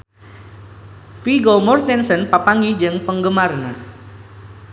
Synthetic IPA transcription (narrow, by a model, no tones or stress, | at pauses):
fiɡomɔrt̪ɛnsənpapaŋɡid͡ʒɨŋpəŋɡəmarna